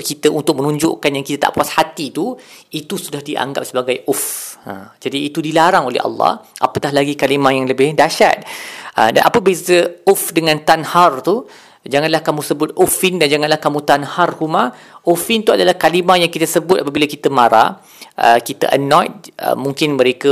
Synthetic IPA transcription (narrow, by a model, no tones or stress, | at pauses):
kit̪əʔunt̪ʊk̚mə̃nũɲd͡ʒʊ̰ʔkanjaŋkit̪ət̪a̰ʔpuashat̪it̪uit̪usudahdiʔa̰ŋɡa̰p̚səbaɡajʔʊfə̰md͡ʒadiːt̪udilaɾaŋolɛ̰hɑ̰lːɑ̰hʔa̰pətaɦlaɡikalimãjaŋləbɪhdaʃa̰t̪̚ʔə̰da̰nʔapəbisəʊfdəŋãnt̪anhart̪u | d͡ʒaŋanlahkamũsəbʊt̪̚ufɪndand͡ʒaŋanlahkamũt̪anharhumã | ʔufɪnt̪uadalahkalimajaŋkit̪əsəbʊt̪̚apabilakit̪əmaɾa̰ | ʔəkit̪ə̰ʔə̰nɔ̃jt̪̚ə̰muŋkɪnməɾekə